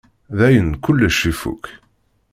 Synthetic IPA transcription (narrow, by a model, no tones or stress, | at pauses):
ðæjənkʊlːæʃifṵk